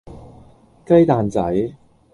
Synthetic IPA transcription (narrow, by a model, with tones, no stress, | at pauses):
kɐ˥jt̪aː˨nt͡sɐ˨˥j